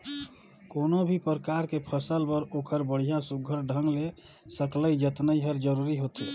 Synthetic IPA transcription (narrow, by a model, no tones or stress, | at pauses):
konobʱipəɾəkaɾkepʰəsəlbəɾokʰəɾbəɽ̤ijãsuɡʱəɾɖʱəŋɡle | səkləid͡ʒət̪nəiɦəɾd͡ʒəɾuɾiɦot̪i